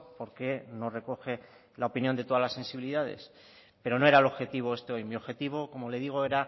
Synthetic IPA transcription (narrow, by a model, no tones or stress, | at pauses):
po̞ɾke̞no̞re̞ko̞xe̞ | laopinjo̞nd̪e̞t̪o̞ðalase̞nsiβiliðað̞e̞̰s | pe̞ɾo̞no̞e̞ɾaelo̞βxe̞t̪iβ̞o̞e̞st̪e̞o̞jmio̞βxe̞t̪iβ̞o̞komo̞le̞ðiɣ̞o̞e̞ɾa